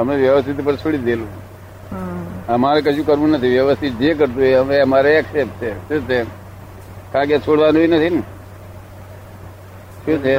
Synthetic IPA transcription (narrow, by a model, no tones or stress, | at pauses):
ɦəmeʋjəʋəst̪ʰit̪pəɾt͡ʃʰoɽid̪elũ | əmaɾek̬əʃũkəɾʋũnət̪ʰiʋjəʋəst̪ʰit̪̚d͡ʒek̬əɾt̪ũeəeəmaɾeɛksep̚ʈt͡ʃʰeʃũt͡ʃʰe | kãket͡ʃʰoɽʋanɦoinət̪ʰine | ʃũt͡ʃʰe